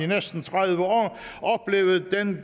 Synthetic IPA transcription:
inesd̥n̩t͡sʰʁaðˠʋəɒ̰ːʔɒ̽b̥le̝̰ːʊð̩ˠd̥en

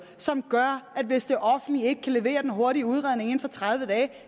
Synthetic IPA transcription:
sɒ̽mɡ̥ɶɐʔæd̥ʋe̝sd̥e̝ʔɒ̽fn̩d̥lie̝ɡ̥əkʰæle̝ʋe̝̰ːɐd̥enɦo̝ɐɾiəuð̞ˠʁɑð̞ˠne̝ŋe̝nfɒ̽t͡sʰʁɑð̞ˠʋəd̥ɛː

